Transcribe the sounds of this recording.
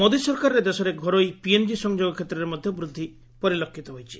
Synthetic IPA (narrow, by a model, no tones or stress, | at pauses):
mod̪isɔɾkaɾɔɾed̪esɔɾeɡʱɔɾojpiend͡ʒisɔŋd͡ʒoɡɔkʰet̪ːɾɔɾeɾmɔd̪ʱjɔbɾud̪ʱːi | pɔɾilokʰːit̪ɔɦojt͡ʃʰi̥